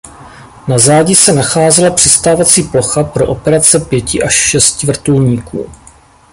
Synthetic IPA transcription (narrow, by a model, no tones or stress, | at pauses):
nazaːɟɪsɛnaxaːzɛlapr̥ɪst̪aːvat͡siːplo̞xapɾo̞ʔo̞pɛɾat͡sɛpjɛcɪʔaʃːɛscɪvr̩t̪ulɲiːkʰṵː